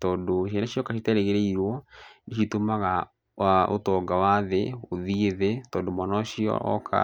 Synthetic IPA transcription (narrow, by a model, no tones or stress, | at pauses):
tɔːndoʃɛnaɕjɔkaʃitɛɾeɣeɾeiɾwɔneʃitomaɣa | aʔo̰tɔɡawaðeoðieðetɔːndomɔnɔɕiɔ̰kʰa̰